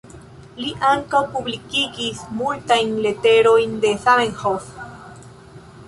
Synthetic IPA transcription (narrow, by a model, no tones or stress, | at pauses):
liʔaŋkawpublikiɡismult̪ajnle̞t̪e̞ɾojnd̪e̞sameŋhof